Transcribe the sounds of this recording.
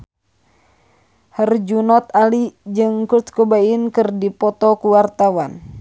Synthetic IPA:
hərd͡ʒunɔt̪̚alid͡ʒɨŋkut̪̚kubainkɨrdipɔt̪ɔkuwart̪awan

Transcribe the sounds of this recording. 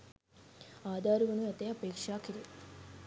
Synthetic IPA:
aːd̪ʱaːɾuʋɐnuɐt̪eɐpeːkʂaːkiɾi

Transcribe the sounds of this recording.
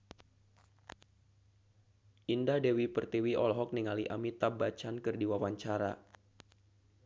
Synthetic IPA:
ʔindadewipərt̪iwiʔɔlɦɔk̚niŋaliʔamit̪abat͡ʃankɨrdiwawaɲt͡ʃaɾa̰

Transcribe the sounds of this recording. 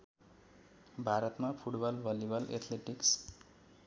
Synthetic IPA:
bʱaɾʌt̪mapʰuʈbʌlbʱʌlibʌlḛt̪ʰleʈiks

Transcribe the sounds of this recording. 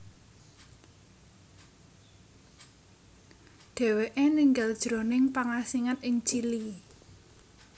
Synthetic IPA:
ɖ̥ɛ̤weʔeniŋɡald̥ʒ̥ɾo̤nɪŋpaŋasiŋat̪ɪŋt͡ʃili

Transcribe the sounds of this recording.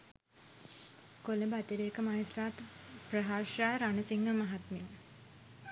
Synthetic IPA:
koləbat̪iɾeːkəmaisɾaːt̪prəɦaːʂjaːɾanəsiŋɡəmaɦat̪min

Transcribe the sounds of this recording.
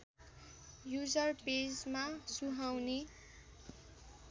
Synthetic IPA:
jud͡zʌrped͡zmasuɦawne

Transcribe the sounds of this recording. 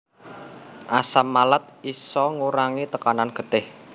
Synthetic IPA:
ʔasamːalət̪̚isɔŋuɾaŋit̪əkananɡ̥ə̤t̪ɪh

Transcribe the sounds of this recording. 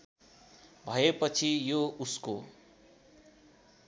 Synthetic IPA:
bʱʌepʌt͡sʰijousko

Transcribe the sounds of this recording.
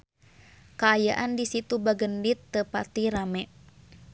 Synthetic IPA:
kaːjaʔandisit̪ubaɡəndit̪ːəpat̪iɾamɛ

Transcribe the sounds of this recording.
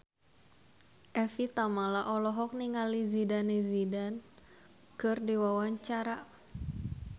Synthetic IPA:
ʔɛfit̪amalaʔɔlɔɦɔk̚niŋalizidanizidan | kɨrdiwawaɲt͡ʃaɾa

